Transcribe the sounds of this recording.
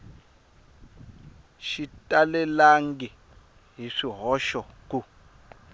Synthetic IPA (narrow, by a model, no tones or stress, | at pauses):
ʃitʼalɛlaŋɡɛ | ɦiʂiɦɔʃɔk̬u